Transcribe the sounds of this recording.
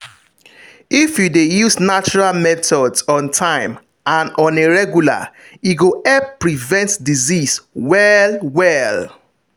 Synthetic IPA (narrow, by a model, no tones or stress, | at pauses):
ifjudejuznat͡ʃɔɹalmɛtʰɔdsɔ̃ntʰãɪ̃m | ãnɔ̃neɹɛɡjula̰ | iɡoɛpːɹivɛ̃ntdiziswɛlwɛl